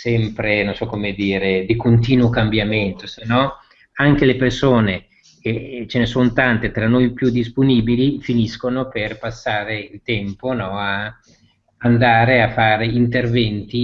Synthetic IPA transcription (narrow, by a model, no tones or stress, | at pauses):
sɛmpɾenonsɔkːomed̪iːɾed̪ikont̪iːnuokambjament̪osenːɔ | aŋk̟elepersoːne | ket͡ʃenesont̪ant̪et̪ɾanːojpjud̪ːisponiːbilifiniskonoperpasːaːɾeilt̪ɛmponɔa | and̪aːɾeafːaːɾeint̪ervɛnt̪i